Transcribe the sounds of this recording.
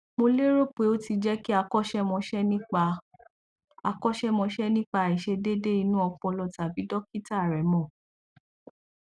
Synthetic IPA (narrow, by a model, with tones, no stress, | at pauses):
mo˧le˦ɾo˦pe˧˨o˦ti˧d͡ʒɛ˦ki˦a˧kɔ˦ʃɛ˦mɔ̃˧ʃɛ˦nĩ˦k͡pa˧ | a˧kɔ˦ʃɛ˦mɔ̃˧ʃɛ˦nĩ˦k͡pa˧˨i˨ʃe˧de˦de˦i˧nũ˦ɔ˧k͡pɔ̃˧lɔ˧˨ta˨bi˨˦dɔ˦ki˦ta˦˨ɾɛ˨mɔ̃˦˨